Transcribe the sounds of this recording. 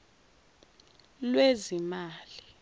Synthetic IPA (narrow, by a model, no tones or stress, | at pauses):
lwezimaːli